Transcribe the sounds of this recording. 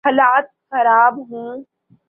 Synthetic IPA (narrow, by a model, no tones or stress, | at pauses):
ɐlaːt̪̚xɐɾaːbɦũː